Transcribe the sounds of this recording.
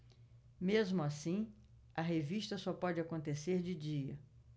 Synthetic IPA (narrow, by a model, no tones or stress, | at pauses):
mezmʊasĩ | ɐɦeviʃt̪ɐsɔpɔd͡ʒɪakõnt̪eseɾd͡ʒɪd͡ʒiɐ